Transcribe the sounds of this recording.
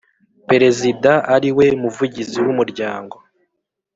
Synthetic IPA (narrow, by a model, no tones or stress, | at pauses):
pe̞ɾe̞zidaaɾiwe̞muvuɟiziwumuɾɟaːŋɡo̞